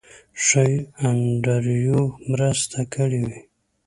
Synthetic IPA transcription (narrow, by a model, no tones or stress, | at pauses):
ʂəjaɳɖaɾjomɾəst̪ʰakʰəɽiwi